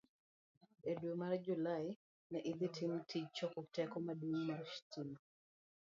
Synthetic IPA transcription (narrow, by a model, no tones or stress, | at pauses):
edwumard͡ʒulaɪ | nɛʔid̪itʰimtʰit͡ʃːɔkuktɛkɔmaduŋmarʃtʰin